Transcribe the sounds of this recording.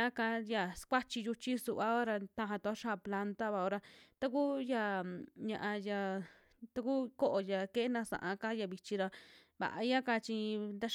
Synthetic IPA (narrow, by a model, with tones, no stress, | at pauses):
ã˦ka˧ja˧˨skʷa˦t͡ʃi˧ju˧t͡ʃi˦su˧ʔβa˦o˦ɾa˧t̪ã˧ɦã˧t̪u˧a˦ʃa˦˧˨pla˧nt̪a˦βa˧˨o˧ɾa˧t̪a˦ku˦ja˧ɲã̰˧ʔã˧ja˧ | t̪a˧ku˦ko˦ʔo˧ja˧ke˦e˦nã˧sã̰˨ʔã˧ka˦ja˧βi˧t͡ʃi˧ɾa˧ | βa̰˨ʔa̰˧˦ã˦ka˧t͡ʃi˧nd̪a˦